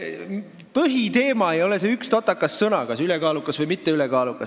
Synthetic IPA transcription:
pɤɦit̪e̞ːmɑejo̞le̞seykst̪ot̪ːˑɑkːˑɑssɤnɑkɑsylekɑːlukːˑɑsvɤjmit̪ːe̞ylekɑːlukːˑɑs

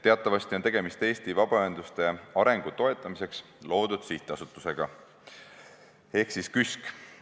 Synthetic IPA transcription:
t̪e̞ɑt̪ːˑɑvɑst̪io̞nt̪e̞ɡ̥e̞mist̪e̞ːst̪ivɑb̥ɑøend̪lust̪e̞ɑɾe̞ŋɡ̥ut̪o̞e̞t̪ːˑɑmise̞ks | lo̞ːd̪̥ud̪̥siht̪ˑɑsut̪ːˑuse̞ɡ̥ɑ | e̞hksiskysk

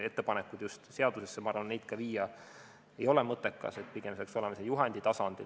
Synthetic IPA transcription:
e̞t̪ːe̞pɑnekːud̪̥just̪se̞ɑd̪̥usesːemɑɑrʋɑnːe̞jd̪̥kɑʋiːjɑ | ejo̞lemɤt̪ːˑekːɑ̰se̞t̪̚ˑpiɡ̥e̞mseeɑkso̞lemɑsejuɦɑnd̪̥it̪ɑsɑnd̪̥ḭ

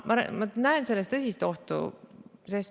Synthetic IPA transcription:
mɑɾ̰mɑnæense̞lːest̪ɤsʲist̪o̞ht̪ṵseːs

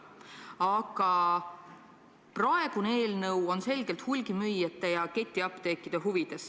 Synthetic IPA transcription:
ɑɡ̥ɑ | prɑe̞ɡ̥uneeːlnɤwo̞nse̞lɡ̥elt̪hulʲɡimyjːɑt̪ːˑejɑke̞t̪ʲːˑiɑpt̪e̞kːˑid̪̥eɦuvid̪̥e̞s

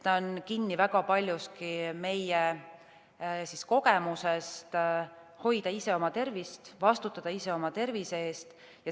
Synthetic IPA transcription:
t̪ɑonkinːivæɡɑpɑlʲjuskime̞je | sisko̞ɡe̞muse̞st̪ | ho̞jd̪̥ɑise̞o̞mɑt̪e̞rvist̪vɑst̪ut̪ːˑɑd̪̥ɑise̞o̞mɑt̪e̞rviseeːst̪ | jɑ

